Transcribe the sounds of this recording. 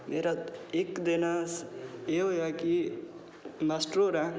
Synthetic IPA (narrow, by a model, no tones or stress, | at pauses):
meɾat̪ekd̪enaseojaki | masʈɾoɾã